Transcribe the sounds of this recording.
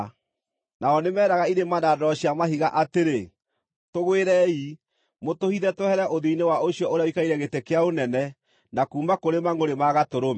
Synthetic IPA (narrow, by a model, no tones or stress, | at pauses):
naɔnemɛːɾaɣaiɾemanadɔɕiamaɦiɣaʔateɾe | toɣweɾɛi | motohiðɛtohɛɾɛʔoðeinewaoɕijɔoɾeaowikaiɾɛɣetekeaonɛnɛ | nakuːmakoɾemaŋoɾemaɣatoɾome